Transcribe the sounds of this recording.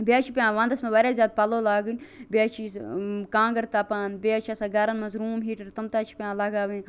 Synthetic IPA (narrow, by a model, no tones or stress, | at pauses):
bijaːt͡ʃʰipʲjãːʋãːnd̪ɐsmẽbaɾʲjaːzʲjaːd̪̚pɐloːlaːɡɨnʲbʲaːt͡ʃʰikãːŋɡɐɾt̪aːpaːnbeaːt͡ʃʰiasaːɡɐɾɐnmɐnzɾuːmɦiːʈɐɾt̪ɐmt̪aːt͡ʃʰi̥pʲãːlɐɡaːʋin